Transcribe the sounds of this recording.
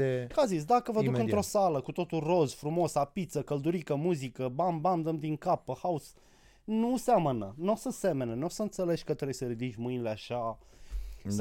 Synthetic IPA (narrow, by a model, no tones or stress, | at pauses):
ekazis̬d̪akəvəukɨnt̪ɾo̞saləkut̪o̞t̪ulro̞zfɾumo̞sapit̪səkəld̪uɾikəmuzikəbambamd̪əmd̪iŋkapːəhaus | nusamənənosəse̞menenosəɨnt̪sele̞ʃʲkət̪ɾejsəɾid̪it͡ʃʲmɨnileaʃa | s